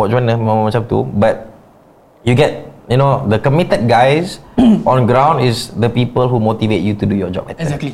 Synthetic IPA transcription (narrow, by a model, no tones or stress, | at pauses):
wɔt̚d͡ʒwɔ̃nəmət͡ʃap̚t̪ṵbat̚ | juɡɛt̚junodəkəmitət̚ɡajsʔɔ̃nɡɹãw̃ndɪsd̪əpipəlɦumot̪ivet̚jutudujɔd͡ʒɔ̰p̚bɛtəi